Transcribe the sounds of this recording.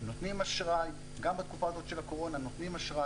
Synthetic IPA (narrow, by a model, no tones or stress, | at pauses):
no̞t̪nimaʃʁaj | ɡambat̪kufaːzo̞t̪ʃe̞lako̞ʁo̞nano̞t̪nimaʃʁa